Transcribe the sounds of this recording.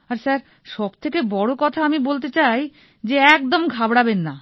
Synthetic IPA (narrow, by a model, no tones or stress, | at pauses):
aɾsaɾ | ʃɔbt̪ʰekebɔɽokɔt̪ʰaamibolt̪et͡ɕaj | d͡ʑeɛk̚d̪omɡʱabɽabenːa